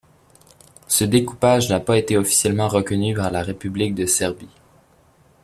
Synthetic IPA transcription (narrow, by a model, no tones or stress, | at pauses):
səd̪ekupaʒnapaet̪eɔfi̥sjɛlmɑ̃ʁəkɔnypaʁlaʁepyblik̚d̪əsɛʁbi